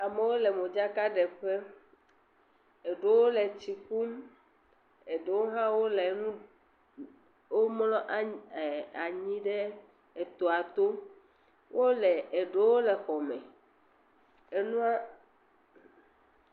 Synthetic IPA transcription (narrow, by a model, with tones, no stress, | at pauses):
a˨me˨wo˦lɛ˨mõ˨d͡ʒa˦ka˦ɖɛ˨ɸe˦ | e˨ɖo˦wo˦le˨t͡ɕi˨ku˦m | e˨ɖe˨wo˦ɦã˦wo˦le˨nũ˦ | wo˦mlɔ̃˦ʔ | a˨ɲĩ˦ɖe˦ | e˨t̪o˨a˨t̪o˦ | wʔo˦le˨e˨ɖo˦wo˦le˨xɔ˨mẽ˨ | e˦nũ˦a˦